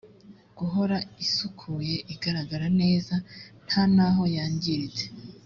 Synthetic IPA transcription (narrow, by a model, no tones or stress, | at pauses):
ɡ̥uɦo̞ɾaisukʰuje̞ʔiɡaɾaɡaɾane̞ːzan̥hanaɦo̞jaːɲɟiɾit͡se